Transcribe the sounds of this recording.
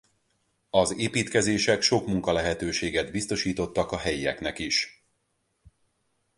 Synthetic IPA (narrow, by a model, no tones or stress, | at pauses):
ɒzeːpiːt̪kɛzeːʃɛkʃo̞kmuŋkɒlɛɦɛt̪øːʃeːɡɛd̪bist̪o̞ʃiːt̪o̞t̪ːɒkɒɦɛjiɛ̰knɛkiʃ